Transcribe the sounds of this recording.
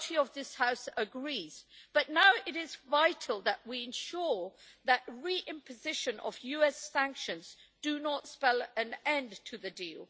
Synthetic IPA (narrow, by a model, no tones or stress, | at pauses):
ɾʰiəvðɪshaʊsəɡɹiz̥b̥ʌʔⁿnaʊɪɾɪzvaɪtʰˡl̩ˠðəʔwiɨ̃nʃʊɹðəʔ̚ɹiʔɪ̃mpʰɨzɪʃɨ̃nʔə̰vjʉɛsæ̃ŋkʃɨ̃nzd̥ɨnətspɛlˠɨ̃nɛ̃ntʰɨðɨdilˠ